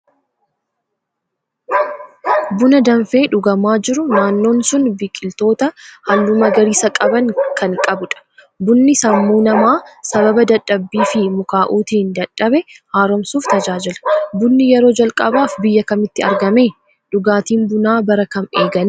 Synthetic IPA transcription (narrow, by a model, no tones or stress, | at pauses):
bʊnɐd̪ɐɱfe̞ːᶑʊɡɐmaːd͡ʒɪɾʊnaːnːo̞ːnsʊnbikʼːɪlt̪o̞ːt̪ɐhɐlːumɐɡɐɾiːsɐkʼɐbɐŋkɐnkʼɐbʊᶑɐ̥ | bʊnːɪsɐmːuːnɐmaːsɐβɐbɐd̪ɐᶑːɐbːiːfɪmʊkaːʔuːt̪iːnd̪ɐᶑːɐbɛhaːɾɔmsuːft̪ɐd͡ʒaːd͡ʒɪlɐ̥bʊnːɪjɛɾo̞ːd͡ʒɐlkʼɐbaːfbɪjːɐkɐmɪt̪ːɪɐɾɡɐmeː | ᶑʊɡaːt̪iːnbʊnaːbɐɾɐkɐmeːɡɐn